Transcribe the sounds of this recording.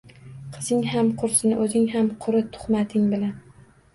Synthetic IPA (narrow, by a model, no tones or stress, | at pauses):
qʰɨzɪŋhamqʰʊɾsɪnɪʔɵzɪŋhamqʰʊɾɪt̪ʰʊ̥χmat̪ʰɪŋbɪlan